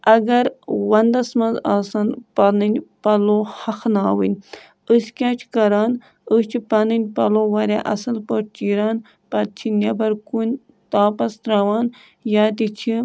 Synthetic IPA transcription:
ɐɡɐɾwɐnd̪ɐsmɐnzaːsɐnpɐnɨnʲpɐlohɐxnaːwḭnʲ | əskʲaːt͡ʃʰkɐɾaːn | ət͡ʃʰipɐnɨnʲpɐ̰loːʋɐɾʲa̰ʔɐsɨlpəʈt͡ʃiːɾaːn | pɐt̪̚t͡ʃʰinʲɐbɐɾkunʲ | t̪aːpɐst̪ɾɐʋaːn | jaːt̪it͡ʃʰi

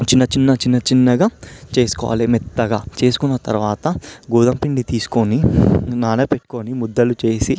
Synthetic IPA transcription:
t͡ʃinːɐt͡ʃinːɐt͡ʃinːɐt͡ʃinːɐɡaːt͡ʃe̞ːsu̥kɔ̰ʋa̰ːlimit̪ːɐɡaːt͡ʃe̞ːsu̥kunːɐt̪ɐ̰ɾuʋaːt̪ɐɡuːd̪ɐmpiɳɖit̪iːsu̥koninaːneːpeʈːu̥konimud̪ːɐlut͡ʃe̞ːsi

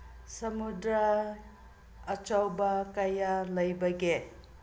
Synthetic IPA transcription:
sɐmudɾɐ | t͡ʃawbɐkajalɐjbɐɡe

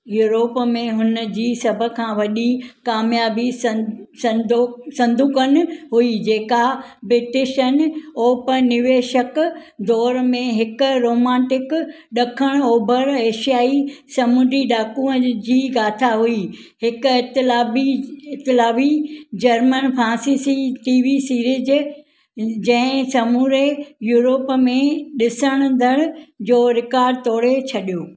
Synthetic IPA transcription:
juːɾoːpmẽɦʊnə̆d͡ʑiːsɐbʱə̆kʰãːʋɐɗikaːmjaːbissɐ̃d̪osɐ̃nd̪ʱuːkənɪ̆ɦuid͡ʑeːkabɾɪʈɪʃənoːpɐnɪʋeːʃəkd̪ɔːɾmẽɦɪkʊ̆ɾoːmãːʈɪk | ɗɐkʰəɽ̃oːbʱəɾeːʃijaːisɐmuːd̪iɗaːkũə̃d͡ʑiːɡaːt̪ʰaɦui | ɦɪkʊɪt̪ɪlaːbiɪt̪ɪlaːʋid͡ʑɐɾmənpʰãːsiːsiʈiːʋisiːɾɪd͡ʑ | d͡ʑɐ̃ɪ̃sɐmuːɾejuːɾoːpmẽɗɪsəɽ̃nd̪ʱəɽ̃ʊ̆d͡ʑoːɾɪkaːɾɖt̪ɔːɽet͡ɕʰɐɗijoː

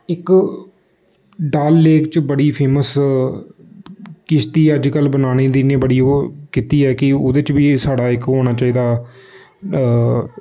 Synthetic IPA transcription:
ɪk | ɖaːlːeːkt͡ʃbəɽiːpʰeːməs | kɪst̪iːəd͡ʒkəlbənaːɽ̃iːd̪ɪneːbəɽiːoːkiːt̪iːɛːkɪʊ̰d̪eːt͡ʃbiːsaːɖaːɪkɦoːñaːt͡ʃaːiːd̪aː

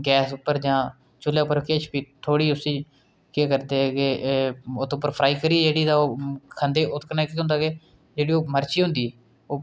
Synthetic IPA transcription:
ɡɛːsʊpːəɾd͡ʒãː | t͡ʃʊlːjaːpːəɾkeːt͡ʃpiːt̪ʰoːɽiːʊsiː | keːkəɾd̪eːɡeːot̪ʊpːəɾpʰɾaːiːkəɾiːɛːd͡ʒeːɽiːd̪aoːkʰənd̪eːʔʊt̪knaːkiːɦʊ̃nd̪aːɡeː | d͡ʒeːɽiːoːməɾt͡ʃiːɦʊ̃nd̪iː | oː

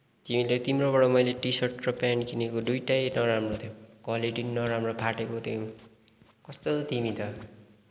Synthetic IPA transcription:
t̪imilet̪imroβʌɽʌmʌjleʈisʌrʈrʌpjankinekod̪ujʈajnʌɾamrot̪ʰjokʌleɖinːʌɾamropʰaʈekot̪ʰjo | kʌst̪ot̪imit̪ʌ

